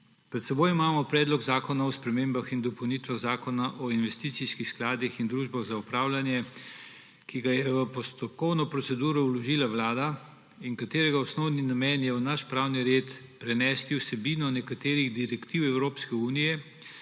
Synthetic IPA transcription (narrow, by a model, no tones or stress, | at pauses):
pɾɛt̪sɛboːjimaːmɔpɾɛːd̪lɔɡzaːkɔnaɔspɾɛmeːmbaxind̪ɔpɔwnit̪ʋaɣzaːkɔnaʔɔinʋɛst̪iːt̪siskixsklaːd̪ixind̪ɾuːʒbaɣzaupɾaːwlanjɛ | kiɡajɛʋəpɔst̪ɔp̚kɔwnɔpɾɔtsɛd̪uːɾɔwlɔʒiːlaʋlaːd̪a | iŋkat̪eːɾɛɡaɔsnɔwninamɛnjɛwnaʃpɾawniɾeːt̪pɾɛnɛːst̪iwsɛbiːnɔnɛkat̪eːɾiɣd̪iɾɛkt̪iwɛwɾoːpskɛuːnijɛ